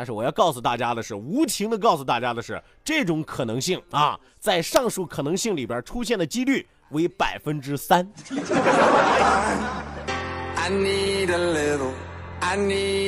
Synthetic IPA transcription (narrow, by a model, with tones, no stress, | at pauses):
t̪ʂɻ̩˥˩wɔ˨˩jɑ˥˧ʊkɑ˥˩ʊsu˩t̪a̰˥˩t͡ɕja˥d̪ə˨ʂɻ̩˥˩u˧˥t̪ʰi˧˥ŋd̪ə˧kɑ˥˩ʊsu˨˩t̪a˥˩t͡ɕja˥d̪ə˨ʂɻ̩˥˩ | ʈ͡ʂɤ˥˩ʈ͡ʂʊ˧˥ŋkʰɤ˨˩nɤ˧˥ŋɕi˥˩ŋɐ̰˧ | t͡sa˥˧ɪʂɑ˥˧ŋʂu˥˩kʰɤ˨˩nɤ˧˥ŋɕi˥˩ŋli˨˩bjə˞˧˥ʈ͡ʂʰu˥ɕjɛ˥˩nd̪ə˩t͡ɕi˥ly˥˩ | we˧˥ɪpa˨˩ɪfə˥nʈ͡ʂɻ̩˥sa˥n | a˦nːi˦ə˧le˧ɾa˦nːi˦